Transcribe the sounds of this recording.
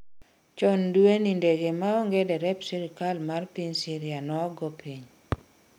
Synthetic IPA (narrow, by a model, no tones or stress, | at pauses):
t͡ʃɔndwenindeɡemaoŋɡedɛɾɛpsiɾikalmarpiɲsiɾjanɔɡɔpʰiɲ